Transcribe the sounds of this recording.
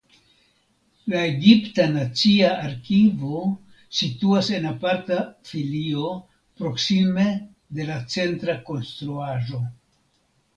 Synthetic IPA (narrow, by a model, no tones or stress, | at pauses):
laeɡiptanat͡siaaɾkivo̞ | situase̞napaɾtafilio̞ | pɾo̞ksime̞ | de̞lat͡se̞ntɾako̞nst̪ɾuaʒo̞